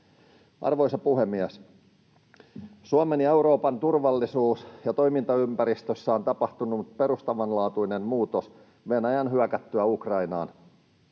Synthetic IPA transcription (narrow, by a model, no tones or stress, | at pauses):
ʔɑ̰rʋo̞jsɑpuhe̞mːiæs | suɑme̞nje̞uɾo̞ːpɑnt̪urʋɑlːisuːsjɑt̪o̞jmint̪ɑympæɾist̪øsːæo̞nt̪ɑpɑht̪unːupe̞ɾust̪ɑʋɑnlɑːt̪uine̞mmuːt̪os | ʋe̞næjɑnɦyækæt̪ːyæukrɑjnɑ̰ːn